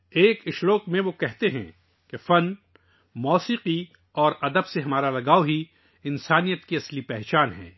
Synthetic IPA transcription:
eːkɪʃɾoːqmẽʋokɛɦt̪eɦɛ̰̃ | kefɐn | mɔːsiːqi | ɔːɾɐd̪əbseɦɐmaːɾalɐɡaːoɦi | ɪnsaːnijət̪kiɐslipɛɦt͡ʃaːnɦɛ̰̃ː

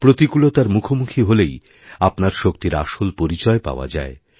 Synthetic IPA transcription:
pɾot̪ikulot̪aɾmukʰomukʰiɦolej | apnaɾʃokt̪iɾa̰ʃolpoɾit͡ɕɔepa̰oa̰d͡ʑa̰e

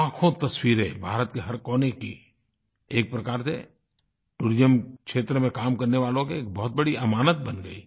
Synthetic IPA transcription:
ãːkʰõt̪ɐswiːɾɦebʱaːɾət̪keɦɐɾkoːneki | eːk̚pɾɐkaːɾsḛ | ʈuːɾɪzəmkʃeːt̪ɾəmẽkaːmkɐɾneʋaːlõkeːk̚bɔɦt̪̚bɐɽiɐmaːnət̪̚bənɡəiː

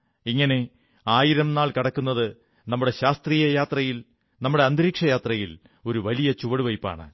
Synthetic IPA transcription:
iŋːɐne̞ | aːjiɾɐmnaːɭkiɽɐkːunːɐðɨ | nɐmːuɽe̞ɕaːst̪riːjɐjaːt̪rɐjil | nɐmːuɽe̞ɐnd̪ɾiːkʂɐjaːt̪rɐjil | o̞ɾuʋɐlijɐt͡ɕuʋɐɽuʋɐjpːa̰ːɳɨ̰

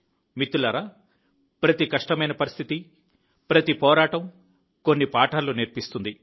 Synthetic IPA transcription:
mit̪ːulɐɾɐ | pɾɐt̪ikɐʂʈɐmɐjnɐpɐɾist̪ʰit̪i | pɾɐt̪ipɔːɾaːʈɐm | konːipaːʈaːlːuniɾpist̪und̪i

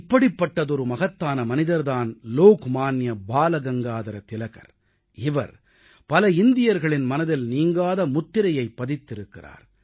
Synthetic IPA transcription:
ɪpːɐɽɪpːɐʈːɐðɔɾɯmɐɣɐt̪ːaːnɐmɐnɪðɐɾðaːnloːkmaːnjɐbaːlɐɡɐŋɡaːðɐɾɐt̪ɪlɐɣɐ̰ɾ | ɪʋɐ̰ɾ | pɐlɐɪnd̪ɪjɐɾɣɐɭɪnmɐnɐðɪlniːŋɡaːðɐmʊt̪ːɪɾɐjɐɪpːɐðɪt̪ːɪɾɯkːɪra̰ːɾ

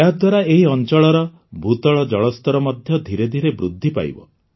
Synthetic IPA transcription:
ead̪waɾaeɦiɔnt͡ʃɔɭɔɾɔ | bʱut̪ɔɭɔd͡ʒɔɭɔst̪ɔɾɔmɔd̪ʱjɔd̪ʱiɾed̪ʱiɾebɾud̪ʱːipa̰j̰bɔ̰

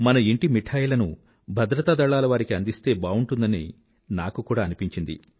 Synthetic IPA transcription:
mɐnɐiɳʈimiʈʰaːjlɐnṵ | bʱɐd̪ɾɐt̪ad̪ɐɭaːlɐʋaːɾikiɐnd̪ist̪e̞ːbaːuɳʈund̪ɐni | naːkukuːɽaːɐnipiɲt͡ʃind̪ḭ

